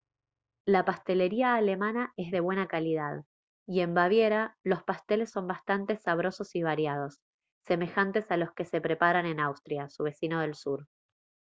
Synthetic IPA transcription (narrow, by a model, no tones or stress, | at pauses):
lapast̪e̞le̞ɾiaːle̞mãnae̞zðe̞βwe̞nakalið̞að | ie̞mbaβ̞je̞ɾalo̞spast̪e̞le̞sːo̞mbast̪ant̪e̞saβ̞ɾo̞so̞siβ̞aɾjað̞o̞sː | e̞me̞xant̪e̞salo̞ske̞se̞pɾepaɾane̞nawst̪ɾjasuβe̞sino̞ð̞e̞lsuɾ